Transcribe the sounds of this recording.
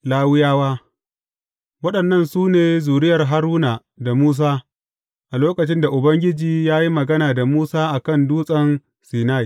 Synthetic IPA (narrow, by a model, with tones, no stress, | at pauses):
laː˦wɪ˦jaː˦waː˦ | wɐ˦ɗɐ˨nːɐ˦nsuː˦neː˨zuː˨ɽɪ˦jɐ˨rɦa˦ɾuː˦naː˨ | da˨muː˦s̬aː˦ | ʔa˨loː˦kɐ˨t͡ʃɪ˦nda˨ʔʊ˨bɐ˦ŋɡʲɪ˦d͡ʒiː˨jaː˦ji˦mɐ˨ɡɐ˦naː˨da˨muː˦saː˦ʔa˨kɐ˦˨nduː˦sʼɐ˦n | siː˨naː˦j